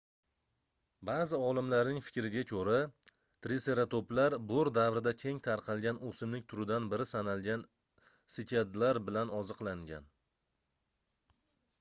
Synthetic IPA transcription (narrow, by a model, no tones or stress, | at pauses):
baːzɪɒlɪmlaɾnɪŋfɪ̥kʲɾɪɡʲakʲʰɵɾa | t̪ɾise̞ɾat̪oplaɾbʊɾd̪avɾɪd̪akʲʰe̞ŋt̪ʰaɾqʰɑlˠɡʲanosɪmlɪk̚ʲt̪ʰʊɾɪd̪anbɪɾɪsanalˠɡʲan | sɪkʲʰad̪laɾbɪlanɒzɨqlˠaŋɡʲa̰n